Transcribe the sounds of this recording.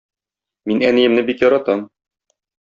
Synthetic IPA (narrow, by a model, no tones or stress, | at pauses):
minænĭjɘ̆mnɘbikjɒɾɑt̪ɑm